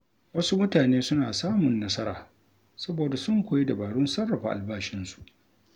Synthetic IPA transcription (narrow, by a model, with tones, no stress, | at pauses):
wɐ˦su˦mʊ˦taː˨neː˦sʊ˦naː˨saː˦mʊ˨nːɐ˦sɐ˦ɾa̰ː˨ | sɐ˦boː˨da˨sʊ˦ŋkʷoː˨ji˦da˨baː˨ɽʊ˦nsɐ˦rːɐ˨ɸa̰˨ʔa̰˨lbaː˦ʃɪ˦nsu̥˨ʔ